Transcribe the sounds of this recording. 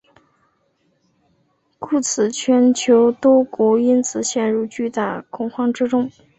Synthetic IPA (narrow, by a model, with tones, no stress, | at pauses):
kʰu˥˩t͡sʰɹ̩˨˩t͡ɕʰɥɛ˧˥nt͡ɕʰjo˧˥ʊt̪wɔ˥kwɔ˧˥i˥nt͡sɹ̩˨˩ɕjɛ˥˧nɻu˥˩t͡ɕy˥˧t̪a˥˩kʰʊ˨˩ŋxɑ˥ŋʈ͡ʂɻ̩˥ʈ͡ʂʊ˥ŋ